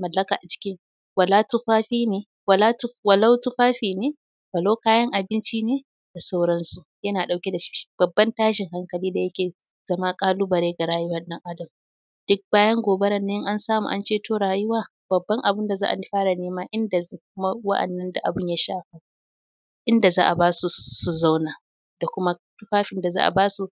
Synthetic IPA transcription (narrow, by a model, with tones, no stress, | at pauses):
mɐ˨lːɐ˦kaː˨ʔa˨t͡ʃɪ̥˦kʲɪ˦ŋ | wɐ˨laː˦tʊ˦ɸaː˦ɸiː˦neː˦ | wɐ˨la˦wɐ˨la˦wtʊ˦ɸaː˦ɸiː˨neː˦ | wɐ˨lo˦kaː˦jɐ˦ŋʔa˨bɪ˦nt͡ʃi˦neː˦ | d̥a˨sa˦wɽɐ˦nsu˨ | jɐ˦naː˨ɗa˨wkʲe˦da˨ʃɪ˦ʃi̥˦b̥ɐ˨bːɐ˦ntaː˦ʃɪ˨ŋɦa˦ŋkɐ˨liː˦da˨jɐ˦kʲeː˨ | z̥ɐ˦ma˦kʼaː˦luː˦bɐ˨ɾeː˦ɡa˨ɾaː˦jʊ˦wɐ˦˨nɗɐ˦ŋʔa˦dɐ˨m | d̥ʊ˦k̚baː˦jɐ˦ŋɡʷoː˨be˦ɾɐ˨nːe˦ŋʔa˦nsaː˦mṵ˨ʔa̰˦nt͡ʃeː˦tʰoː˦ɽaː˨jʊ˦waː˦˨ | b̥ɐ˨bːɐ˦ŋʔa˨bʊ˦nda˨za̰ː˦ʔa̰˨nɪ˦ɸaː˦ɽa˨neː˦maː˦ʔɪ˦nda˨˦kʊ˦ma˦wɐ̰˦ʔɐ̰˨nːɐ˦nda˨ʔa̰˨bʊ˦ɲja˦ʃaː˦ɸa˦ | ʔɪ˦nda˨zaː˦ʔa˨baː˦su˨su˨za˦wnaː˨ | d̥a˨kʷʊ˦ma˦tʊ˦ɸaː˦ɸɪ˨˦nda˨za̰ː˦ʔa̰˨baː˦su˨